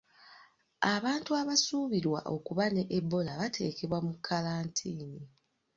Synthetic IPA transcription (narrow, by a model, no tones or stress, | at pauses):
aβaːntuaβasuːβiɾwa̰ʔo̞̰kuβane̞ʔːbːo̞laβatʰe̞̰ːke̞βwamukʰːalaːntʰiːni